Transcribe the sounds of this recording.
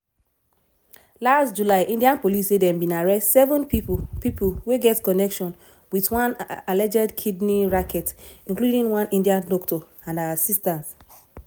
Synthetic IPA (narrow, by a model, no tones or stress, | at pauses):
lastd͡ʒulaɪʔĩndiãnpolisedɛ̃mbĩnaɹɛstsɛvɔ̃npipipulweɡɛtkɔnɛkʃɔ̃n | witwãnalɛd͡ʒɛdkʰidniɹakʰɛtĩnkludĩŋwãnĩndiãndɔktɔ | ãnaasistãnt